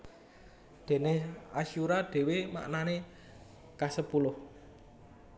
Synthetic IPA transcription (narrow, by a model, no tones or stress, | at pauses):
d̪̥e̤neaʃuɾad̥e̤wema̰ʔnane | kasəpulʊh